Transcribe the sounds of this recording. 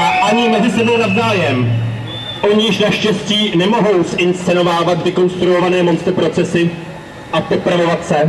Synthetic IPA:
ʔaʔaɲɪmɛzɪsɛbo̞wnavzaːjɛm | ʔo̞ɲɪʃnaʃcɛsciːnɛmo̞ɦo̞wsʔɪnst͡sɛno̞vaːvat̪vɪko̞nst̪ɾuo̞vanɛːmo̞nst̪ɾpɾo̞t͡sɛsɪ | ʔapopɾavo̞vat̪sɛ

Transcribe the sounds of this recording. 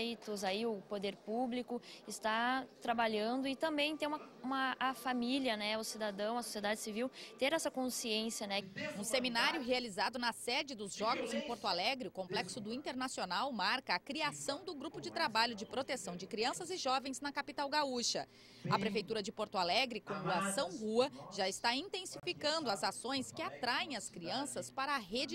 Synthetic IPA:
jt̪ʊzaiʊpod̪eɾpublikʊɪst̪at̪ɾabaʎɐ̃nd̪ʊɪt̪ɐ̃mbẽj̃t̪ẽj̃umɐũmɐːfamiljɐnɛʊsid̪ad̪ɐ̃w̃ɐso̥sied̪ad͡ʒɪsiviwt̪eɾɛsɐkõsiẽsjɐnɛnʊseminaɾjʊɦealizad̪ʊnɐsɛd͡ʒɪd̪ʊzʒɔɡʊzẽj̃poɾt̪ʊalɛɡɾɪʊkõmplɛksʊd̪ʊĩnt̪eɾnasionawmaɾkɐːkɾiasɐ̃w̃d̪ʊɡɾupʊd͡ʒɪt̪ɾabaʎʊd͡ʒɪpɾot̪esɐ̃w̃d͡ʒɪkɾiɐ̃sɐzɪʒɔvẽj̃znɐkapit̪awɡauʃɐ̰ | ɐpɾefejt̪uɾɐd͡ʒɪpoɾt̪ʊalɛɡɾɪkõʊasɐ̃w̃huɐʒaɪst̪aĩnt̪ẽsifikɐ̃nd̪ʊɐzasõj̃skɪat̪ɾaẽj̃ɐskɾiɐ̃sɐspaɾɐːɦed͡ʒɪ

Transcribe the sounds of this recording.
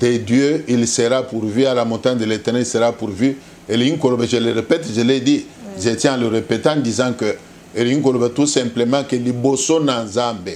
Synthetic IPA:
d̪̥edjøilsəʁapuʁvyalamɔ̃taɲd̪əlet̪ɛʁnɛlsəʁapuʁvy | eliŋkolobɛʒəleʁepɛt̪ʒəlɛdiʒet̪jɛ̃ãləʁepet̪ãd̪izãkə | eliŋk̬olobɛt̪usɛ̃mplemãkelibosonãzãmbe

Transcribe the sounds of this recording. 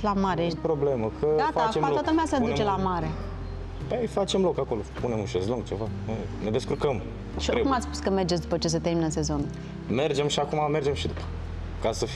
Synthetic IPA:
lamaɾepɾo̞ble̞məkʰəd̪atfat͡ʃeat̪at̪əlumeasəd̪ut͡ʃelamaɾe̞ | bejfat͡ʃe̞mlo̞kako̞lo̞pune̞muʃesluŋɡ̚t͡ʃe̞vano | ned̪e̞skurkəm | ʃiokumat̪sʲspu̥skəmerd͡ʒet̪sʲd̪upət͡ʃe̞s̬ət̪erminəse̞zo̞n | me̞rd͡ʒe̞mʃiakumame̞rd͡ʒe̞mʃid̪upə̥ | kasə

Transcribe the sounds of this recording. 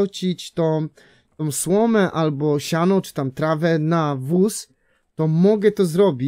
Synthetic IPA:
wt͡ɕit͡ɕt̪ɔ̃ | t̪ɔ̃w̃swɔmɛʔalbɔɕanɔ̃w̃t͡ʂɨ̥t̪amt̪ɾavɛnavus | t̪ɔmɔɡɛt̪ɔzɾɔbʲi

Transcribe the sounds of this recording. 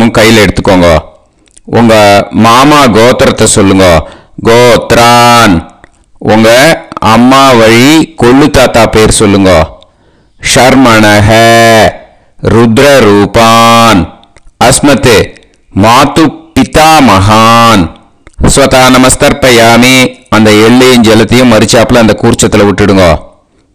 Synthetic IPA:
uŋkɐjːɪlɛɽɯt̪ːɯ̥kːoːŋɡo̰ː | uŋɡɐmaːmaːɡoːt̪ɐɾɐt̪ːɐsɔlːɯŋɡoː | ɡoːt̪ɾaːn | ɔŋɡɐɐ̰mːaːʋɐɻikoɭːut̪aːt̪aːpeːɾsɔlːɯŋɡoː | ʃɐɾmɐnɐɦɐ | ɾʊd̪ɾɐɾuːpaːn | ɐsmɐt̪ɯ | maːt̪upːɪt̪aːmɐɦaːn | sʋɐt̪aːnɐmɐst̪ɐɾpɐjaːmiɐnd̪ɐɛɭːɐjɪnd͡ʒɛlɐt̪ːɐjʊ̃mːɐɾɪt͡ʃːaːpːlɐɐnd̪ɐkuːɾt͡ʃːɐt̪ːɪlɐʋʊʈːɪɽɯŋoː

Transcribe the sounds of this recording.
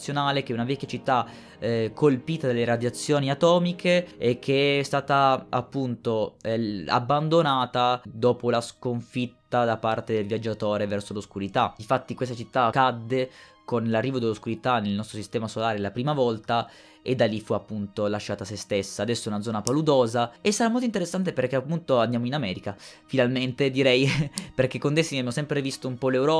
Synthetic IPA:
sjonaːlek̟ɛunavɛkːjat͡ʃit̪ːa | kʰːolpiːt̪ad̪alːeɾad̪jat̪sːjoːniat̪ɔːmikeːk̟ːeɛst̪aːt̪aapːunt̪oɛa̰bːand̪onaːt̪ad̪ɔːpolaskoɱfit̪ːad̪apart̪ed̪elvjad͡ʒːat̪oːɾevɛrsoloskuɾit̪ainfat̪ːikwes̬t̪at͡ʃit̪ːakad̪ːe | konlarːiːvod̪elːoskuɾit̪anelnɔst̪ɾosist̪ɛːmasolaːɾelapɾiːmavɔlt̪a | ed̪ːalːifuapːunt̪olaʃːaːt̪asest̪esːaːd̪ɛsːoɛunad̪zɔːnapalud̪oːzaesːaɾamolt̪oint̪eɾesːant̪̬eperk̟eapːunt̪oand̪jamoinamɛːɾikafinalment̪ed̪iɾɛjperk̟ekːond̪esːiniabemosɛmpɾevist̪oumpɔlewɾɔː

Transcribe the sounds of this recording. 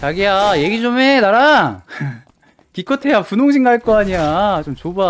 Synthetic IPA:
t͡ɕaɡiaje̞ɡid͡ʑomenaɾa | kik͈ʌtʰe̞japunoŋɕ̬ʰiŋɡaɭk͈oaɲiat͡ɕomt͡ɕoba

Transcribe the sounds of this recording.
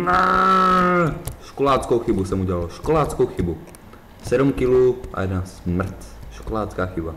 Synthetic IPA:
na | ʃkolaːt͡skowxɪbusɛmuɟɛlaloʃkolaːt͡skowxɪbu | sɛdumkɪluʔa̰jɛdnasmr̩t̪ʃkolaːt͡skaːxɪba

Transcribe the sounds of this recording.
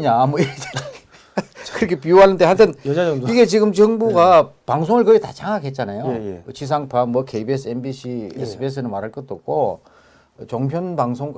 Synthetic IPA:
ɲamʌiɾt͡ɕn | kɯɾʌkʰepijoɦanːɯnde̞hantʰɯnaʌiɡe̞t͡ɕiɡɯmt͡ɕʌŋbuɡapaŋs̬ʰoŋɯɭkʌɡeta̰t͡ɕaŋaɡɦe̞t̚t͡ɕ͈anajot͡ɕʰis̬ʰaŋpʰamwʌkʰeibesʰɯenbiɕʰiesʰɯbies̬ʰɯnɯmaɾɦaɭk͈ʌt͈ok͈o | t͡ɕoŋpʰjonpaŋsʰoŋ

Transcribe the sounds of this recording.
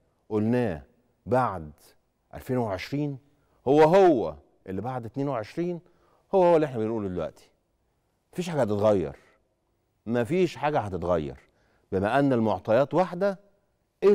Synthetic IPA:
ʔolnæː | baʕd̪ | ʔæ̰lfeːnweʕeʃɾiːn | howːæɦowːæ̰ | ʔelːibaʕd̪et̪neːnweʕeʃɾiːn | howːæhowːælːiʔeħnæbenʔuːlud̪elwæ̰ʔt̪i̥ | mæfiːʃħaːɡæhæt̪et̪ɣæjːɑ̰ɾˤ | mæfiːʃħaːɡæhæt̪et̪ɣæjːɑ̰ɾˤ | bemæʔænːælmoʕt̪ˤɑjɑːt̪waħd̪æ | ʔe

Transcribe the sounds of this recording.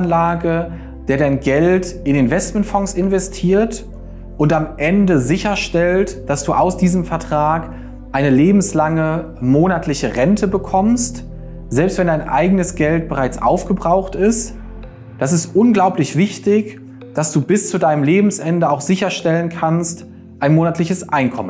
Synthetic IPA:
nlaːɡə | d̥eːɐɾaɪnɡɛltɪnɪnvɛst̚mɛntfɔŋsɪnvɛstʰiːɐt | ʔʊntamʔɛndəzɪçɐʃtɛltd̥asd̥uːʔaʊsd̥iːzəmfɛɐtʁ̥aːk | ʔaɪnəleːbm̩slaŋə | moːnatʰlɪçəʁɛntʰəbəkʰɔmst | z̥ɛlpstv̥ɛndaɪnʔa̰ɪɡənəsɡ̥ɛlt̚b̥əʁaɪt͡sʔa̰ʊfɡ̥əbʁaʊxtɪst | d̥as̬ɪstʔʊnɡlaʊplɪçv̥ɪçtɪç | d̥asd̥uːbɪst͡sudaɪnəmleːbm̩sʔɛndəaʊxz̥ɪçɐʃtɛlənkʰanst | ʔaɪnmoːnatʰlɪçəsʔaɪnkʰɔmən

